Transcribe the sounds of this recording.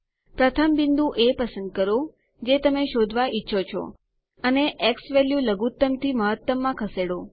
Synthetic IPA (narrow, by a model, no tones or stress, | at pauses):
pɾət̪ʰəmbind̪ũʔepəsə̃nd̪̚kəɾo | d͡ʒet̪əmeʃod̪ʱʋaʔitːʃʰot͡ʃʰo̰ | əneʔeksʋeljuləɡut̪ːəmt̪ʰiməɦət̪ːʋəmːãkʰəseɽo